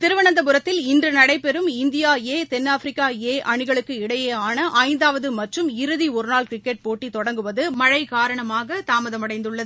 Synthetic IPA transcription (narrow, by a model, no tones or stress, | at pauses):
t̪ɪɾɯʋɐɳɐnd̪ɐpɯɾɐt̪ːɪlɪndrɯnɐɽɐɪpːɛɾɯmɪnd̪ɪjaːeːt̪ɛnːaːfɾɪkːaːeːʔɐɳɪɣɐɭɯkːɯɪɽɐjeːaːnɐʔɐɪnd̪aːʋɐðɯmɐʈrɯmɪɾɯðiɔɾɯnaːlkɾɪkːɛʈ̚poːʈːit̪ɔɽɐŋɡɯʋɐðɯmɐɻɐɪkaːɾɐɳɐmaːɣɐt̪aːmɐðɐmɐɽɐɪnd̪ɯɭːɐðɯ